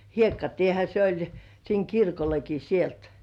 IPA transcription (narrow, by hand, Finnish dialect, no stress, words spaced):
hiekːɑtiehæ se olʲ siːŋ kirkolːeki sielt